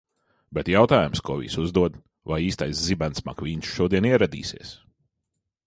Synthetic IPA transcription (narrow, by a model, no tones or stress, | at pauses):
bɛt̪jawt̪aːjumskɔvḭːsuzd̪uɔd̪ | vajiːst̪ajszibansma̰kvʲiːnsʃuɔd̪iɛniɛɾad̪ḭːsḭɛs